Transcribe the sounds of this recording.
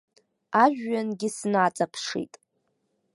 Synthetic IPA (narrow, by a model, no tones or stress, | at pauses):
aʒᶣːanɡʲɪsnaːt͡sʼapʰʂḭtʼ